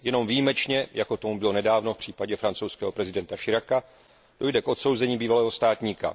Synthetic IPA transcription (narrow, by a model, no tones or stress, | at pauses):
jɛno̞mvijimɛt͡ʃɲɛjako̞t̪omubɪlo̞nɛdaːvno̞fpr̝̥iːpaɟɛfɾant͡sowskɛːɦo̞pɾɛzɪdɛnt̪aʃɪɾaka | d̥o̞jdɛkʔo̞t̪so̞wzɛɲiːbiːvalɛːɦo̞st̪aːt̪ɲiːka̰